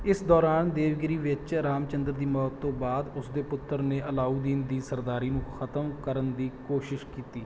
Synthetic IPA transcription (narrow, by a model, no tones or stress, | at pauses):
ɪsd̪ɔːɾaːnd̪eːʋɡɪɾiːʋɪt͡ʃɾaːmt͡ʃənd̪əɾd̪iːmɔːt̪ːõːbaːd̪ʊsd̪eːpʊt̪ːəɾneːʔəlaːuːd̪iːnd̪iːsəɾd̪aːɾiːnũːxʰət̪əmkəɾənd̪iːkoːʃɪʃkiːt̪iː